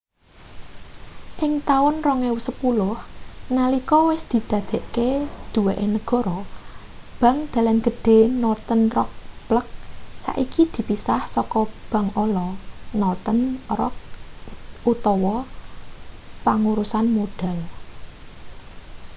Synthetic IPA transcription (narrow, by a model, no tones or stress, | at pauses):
ʔɪŋt̪aʊnrɔŋewusəpulʊhnalikɔwɪsd̪̥i̤d̪̥ä̤d̪̥e̤ʔked̪̥ṳweʔenəɡ̥ɔ̤ɾɔ | b̥a̤ŋd̪̥a̤lanɡ̥ə̤ɖ̥e̤nɔrt̪ənrɔk̚plək̚sa̰ʔikid̪̥i̤pisahsɔkɔb̥ä̤ŋolɔnɔrt̪ənrɔ̰k̚ | ʔut̪ɔwɔ | paŋuɾusanmoɖ̥a̤l